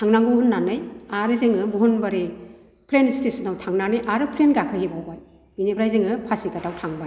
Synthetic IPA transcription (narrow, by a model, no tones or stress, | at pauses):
tʰaŋnaŋɡɯwhunːanɯjaɾɯzeŋɯmuɦunbaɾi | pʰɾenistesɯnawtʰaŋnanɯjʔaɾɯpʰɾenɡakʰɯhebawbaj | b̥inebɾajzɯŋɯpʰasikadawtʰaŋbaj